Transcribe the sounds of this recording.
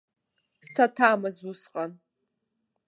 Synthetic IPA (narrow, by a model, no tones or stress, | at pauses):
t͡sʰatʰaːmɨzusqʼan